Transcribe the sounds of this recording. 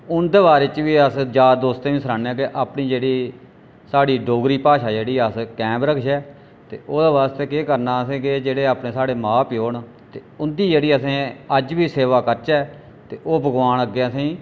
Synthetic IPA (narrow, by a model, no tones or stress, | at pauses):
ʊnd̪eʋaːɾɪt͡ʃʋiːəsd͡ʒaːd̪oːst̪ẽːʋĩːsəɾãːnɛ̃ːk̬ɪʔaːpniːd͡ʒeːɽiː | saːɽiːɖoːɡɾiːpaːʃaːd͡ʒeːɽiːəskɛ̃ːmbɾəkʰʃɛː | t̪ḛːʔoːd̪aːʋaːst̪eːkeːkəɾnaːəsẽːkɪd͡ʒeːɽeːaːpɳẽːsaːɽeːmaːpjoːɳ | t̪eːʊnd̪iːd͡ʒeːɽiːəsẽːəd͡ʒʋiːseːʋaːkəɾt͡ʃɛː | t̪eːʔoːbəɡʋaːnəɡːeːəsẽː